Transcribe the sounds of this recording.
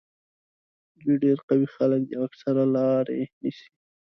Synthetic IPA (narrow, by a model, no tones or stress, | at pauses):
d̪ujɖeɾqawixalək̚d̪əaksaɾalɑɾenisi̥